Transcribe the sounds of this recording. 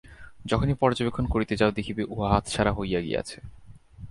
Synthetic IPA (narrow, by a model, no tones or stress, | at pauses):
d͡ʑɔkʰonipɔɾd͡ʑobekʰːonkoɾit̪ed͡ʑaod̪ikʰibeʔuɦaɦat̪ʃaɾaɦojaɡḭa̰t͡ɕʰe